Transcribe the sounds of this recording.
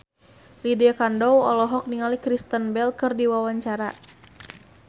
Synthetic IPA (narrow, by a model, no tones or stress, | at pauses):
lidiakandɔwɔlɔɦɔk̚niŋalikɾist̪ənbɛlkɨrdiwawaɲt͡ʃaɾa